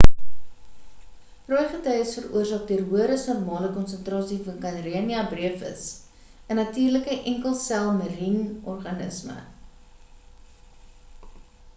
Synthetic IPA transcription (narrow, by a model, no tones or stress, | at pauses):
rɔjχətœjəsfərṵərsɑːk̚døərɦuəɾəsnɔrmɑːləkɔnsəntrɑːsifɐnkɐnriəniɐbriəfə̰s | ənɐtiːrləkəʔɛŋkəlˠsælˠmərinɔrχɐnə̰smə̰